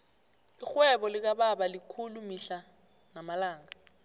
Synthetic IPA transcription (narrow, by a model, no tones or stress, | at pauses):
ixwɛɓɔlik̬aɓaɓalikʰulumiɬa | namalaːŋa